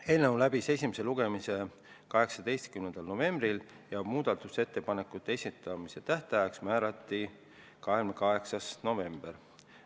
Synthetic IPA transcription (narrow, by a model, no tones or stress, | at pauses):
e̞ːlnewlæbise̞sʲimese̞luɡe̞mise̞ | kɑɦe̞ksɑd̪e̞jst̪̚kymnend̪̥ɑlno̞ve̞mbril | jæob̥muːd̪̥ɑt̪ˑuse̞t̪ːe̞pɑne̞kːˑut̪ːˑesʲit̪ːˑɑmise̞t̪æht̪ɑjɑksmæːɾɑt̪ːi | kɑɦe̞lmekɑɦe̞ksɑsno̞ve̞mb̥e̞r